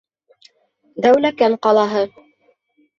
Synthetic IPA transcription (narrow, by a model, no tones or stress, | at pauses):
d̪æwlækæɴqɑlˠɑɦɤ